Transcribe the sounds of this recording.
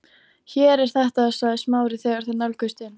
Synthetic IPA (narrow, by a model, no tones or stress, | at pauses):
çɛːɾɛɾ̥θɛht̪aːðsaːðɪsmaːwɾɪθɛːɣaɾ̥θɛnalkʏst̪ɪn